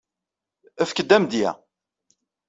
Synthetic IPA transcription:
əfkəd̪ːæmd̪jæ̰

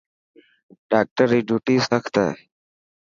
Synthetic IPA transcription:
ɖaːk̚ʈəɾiːɖʱuʈiːsəkʰt̪ḛː

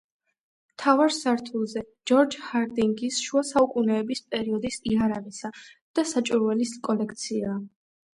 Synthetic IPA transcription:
mt̪ʰavaɾsaɾt̪ʰulˠzɛ | d͡ʒɔɾd͡ʒhaɾd̪iŋɡisʃuasaukʼunɛːbispʼɛɾiɔd̪isiaɾaʁisad̪̥asat͡ʃʼuɾwɛliskʼɔlɛkʰt̪sʰiaː

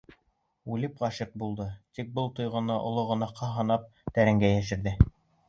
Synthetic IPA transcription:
ʉlip̚ʁɑʃɤq̪̚bulˠd̪ɤt̪ik̚bɤlˠt̪ŏjʁɤ̆nɤʔŏ̰lˠoʁɤ̆nɑqːɑɦɤ̆nɑp̚ | t̪æɾɘ̆ŋɡæjæʃ̬ɘ̆ɾðɘ

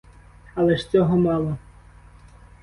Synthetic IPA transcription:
ɐlˠɛʃt͡sʲɔɦɔmɑlˠɔ

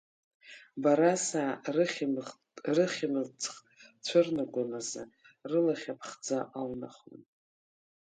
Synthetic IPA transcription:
baɾasaːrɨχʲ | rɨχʲimɨt͡sʰχ | t͡sʷʰɨrnaɡʷonaza | rɨlaχʲapʰχd͡zaʔalnaχma̰n

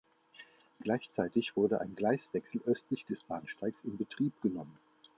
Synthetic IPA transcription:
ɡ̥laɪçt͡saɪtɪçv̥ʊɐdəʔaɪnɡlaɪsv̥ɛksl̩ʔœstlɪçd̥ɛsb̥aːnʃtaɪksɪmbətʁ̥iːp̚ɡ̥ənɔmən

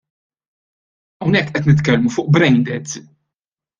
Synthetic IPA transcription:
ɐwnɛkːʔɛt̪nɪt̪kɛlmufʊːʔbɾɛnd̪ɛt̪

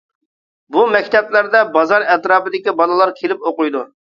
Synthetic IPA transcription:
bumɛkʲt̪ɛplæɾd̪ɛbɑzɑɾɛt̪ɾɑːpɨd̪ɪkʲibɑlˠɨlˠɑɾkʲʰelɪpoqʊjd̪u

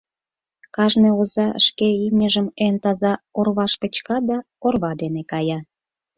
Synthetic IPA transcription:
kɑʒneozɑəʃkeimnʲəʒəment̪ɑzɑorβɑʃkə̆t͡ɕkɑd̪ɑ | orβɑd̪enekɑjɑ

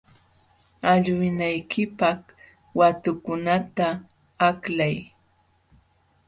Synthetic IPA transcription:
aʎwɪnajkʰɪpaχ | wat̪ʊkʊnat̪aː | klaj

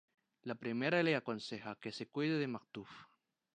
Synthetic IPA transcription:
lapɾimeɾaleako̞nsexakesekwiðeðemak̚t̪uf

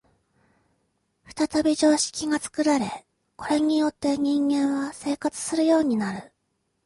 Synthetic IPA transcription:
ɸɯ̥t̪at̪abʲiʑo̞ːɕi̥kʲiɡat͡sɨ̥kɯɾaɾe̞ | ko̞ɾe̞ɲ̟ijo̞t̪ːe̞ɲ̟ĩŋɡẽ̞ɰ̃βase̞ːkat͡sɨ̥sɨɾɯ̟jo̞ːɲ̟inaɾɯ̟

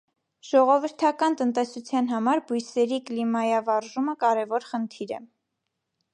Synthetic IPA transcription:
ʒ̥ɔʁɔvəɾt̪ʰɑkɑnt̪ənt̪ɛsut͡sʰjɑnɦɑmɑɾbujsɛɾiklimɑjɑvɑɾʒuməkɑɾɛvɔɾχənt̪ʰiɾɛ̰

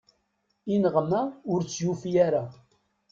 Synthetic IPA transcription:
inəʁmæʊɾt͡sːjufjaɾa

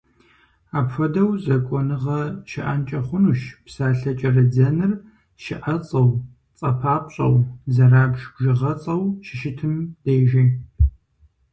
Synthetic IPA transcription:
aːpfɐdɐwzɐkʷʼɔnɨʁɐʃɪʔa̰nt͡ʃʼɐχʷʊnuːʃpsaːɬɐt͡ʃʼɐrɐd͡zɐnɨr | ʃɪ̰ʔɐt͡sʼɐw | t͡sʼɐpʰaːpɕʼɐwzɐraːbʒɡʷʒɪʁɐt͡sʼɐwʃɪʃɪtʰɨmd̥ejʒiː

